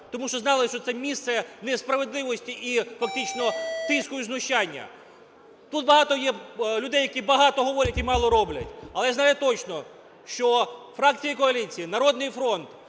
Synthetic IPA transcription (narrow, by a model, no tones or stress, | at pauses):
t̪ɔmuʃt͡ʃɔznɑlˠɪʃt͡ʃɔt̪sɛmʲist̪sɛnɛspɾɐʋe̞d̪lˠɪʋɔsʲtʲiʔifɐk̚t̪ɪt͡ʃnɔt̪ɪsʲkʊjʊznʊʃt͡ʃanʲːɐ̰ | t̪ut̪̚bɐɦɑt̪ɔjɛlʲʊd̪ɛjɐkʲibɐɦɑt̪ɔɦɔʋɔɾʲɐtʲimɑlˠɔɾɔblʲɐ̰tʲɐlˠɛjaznɑjʊt̪ɔt͡ʃnɔ | ʃt͡ʃɔfɾɑkt͡sʲijikɔɐlʲit͡sʲijinɐɾɔd̪nɪjfɾɔnt̪